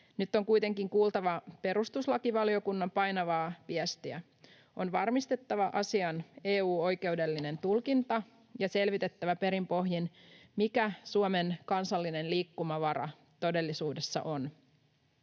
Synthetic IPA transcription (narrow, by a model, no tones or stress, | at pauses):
nyt̪ːo̞ŋkujt̪e̞ŋkiŋkuːlt̪ɑʋɑpe̞ɾust̪uslɑkiʋɑlio̞kunːɑmpɑjnɑʋɑːʋiæst̪iæ | ʔo̞nʋɑrmist̪e̞t̪ːɑʋɑʔɑsiɑneːuːo̞jke̞ude̞lːine̞nt̪ulkint̪ɑ | jɑse̞lʋit̪e̞t̪ːæʋæpe̞ɾimpo̞ɦjinmikæsuome̞nkɑnsɑlːine̞nliːkːumɑʋɑɾɑ̰ | t̪o̞de̞lːisuːde̞sːɑ̰ʔon